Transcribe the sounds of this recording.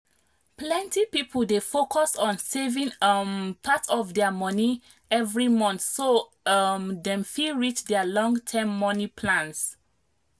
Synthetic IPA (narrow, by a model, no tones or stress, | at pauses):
plɛ̃ntipipʰəldefokʰɔsɔ̃nsevĩŋmpʰatʰɔfdɛəmɔni | ɛvɹimɔ̃nθso | mdɛ̃mfilɹit͡ʃdɛəlɔ̃ŋɡtʰɛ̃mːɔnipʰlãns